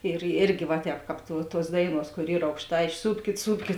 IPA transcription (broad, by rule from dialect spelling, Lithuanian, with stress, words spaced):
ɪr ˈɪrʲɡʲɪ ʋɐ ˈtʲɛːp ˈkɑːp tuɔ ˈtuɔs ˈdɐɪˌnuɔs koːr ˈiːr ɐʊkˈʃtɐɪ ɪʃˈsuːpʲkʲɪt ˈsuːpʲkʲɪt